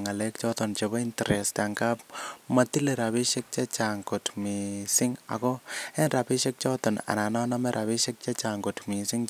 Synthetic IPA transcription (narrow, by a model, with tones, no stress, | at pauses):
ŋa˨lek̚t͡ʃɔ˦t̪ɔnt͡ʃebɔ˦intɾɛ˨sta˨ŋkap̚mati˦le˨ɾa˨bi˦ʃek̚t͡ʃe˦t͡ʃa˨ŋɡo˨tmisɪŋa̰˨kɔ˦ɛ˦nra˨pi˦ʃek̚t͡ʃɔ˦tɔ˨na̰˨na˨na˦namɛɾʔa˨pi˦ʃe˦k̚t͡ʃɛ˦t͡ʃaŋɡotmi˨sɪ˦ŋ